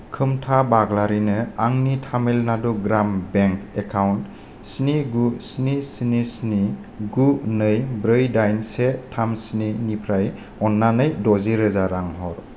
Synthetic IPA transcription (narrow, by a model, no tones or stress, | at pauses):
kʰɯmtʰabaɡlaɾinɯaŋnitʰamelnaduɡɾambeŋkekʰawnt | sniɡusnisnisni | ɡunɯjbɾɯjdajnsetʰamsninipʰɾaj | ɔnːanɯjdɔziɾɯzaɾaŋɦɔɾ